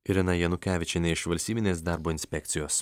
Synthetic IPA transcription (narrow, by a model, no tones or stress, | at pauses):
ɪɾʲɪnɐjɛnʊkʲæːʋʲɪt͡ʃʲɛnʲɛɪʃʋɐlʲsʲt̪ʲiːbʲɪnʲeːsd̪ɑˑɾboːɪnʲsʲpʲɛkt̪sʲɪjoːs